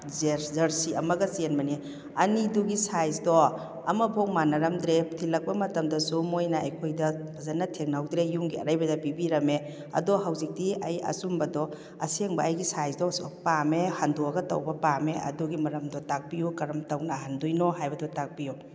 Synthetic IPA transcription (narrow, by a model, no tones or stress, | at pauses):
zeɾzɐɾsiɐmɐɡɐsienmɐni | ɐniduɡisajzdɔ | ɐ̰mɐbʱoŋmanɐɾɐmd̪ɾetʰilɐk̚pɐmɐtɐmdɐsumojnaɐjkʰojdɐbʰzanːatʰek̚nawdɾejuŋɡiɐ̰ɾajbɐdɐbibiɾɐme | ɐ̰dɔɦawzik̚tiɐjɐ̰sumbɐdɔ | ɐ̰seŋbɐːjɡisajzdɔspamehanduaɡɐtɐ̰wbɐpameɐ̰duɡimɐɾɐmdɔtak̚pijukɐɾɐmtawnahandujnɔɦajbɐdɔtak̚biju